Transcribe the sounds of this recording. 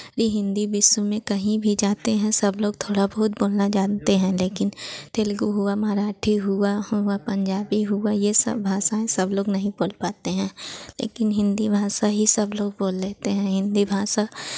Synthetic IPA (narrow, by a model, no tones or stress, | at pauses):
ɾiɦɪ̃nd̪ibɪswmẽkɐɦĩbʱid͡ʒaːt̪eɦɛ̃sɐbloːɡ̚t̪ʰoːɽabɐɦʊt̪boːlnad͡ʒaːt̪eɦɛ̃leːkɪnt̪eːlɡuɦʊamaːɾaːʈʰiɦʊahʊapɐ̃ɲd͡ʒaːbiɦʊajesɐ̰bbʱaːʃaẽsɐbloːɡnɐɦĩboːlpaːt̪eɦɛ̃ːlḛːkɪnɦɪ̃nd̪ibʱaːʃaɦisɐbloːɡ̚boːlːeːt̪eɦɛ̃ɦɪ̃nd̪ibʱaːʃa